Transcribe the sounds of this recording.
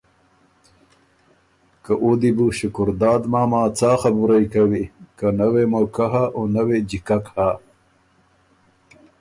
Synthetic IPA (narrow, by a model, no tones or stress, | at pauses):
kaʔod̪ibuɕukuɾd̪aːd̪maːmaːt͡saːxɐbuɾajkɐwikanɐwemokaɦaʔonɐwed͡ʑikɐkha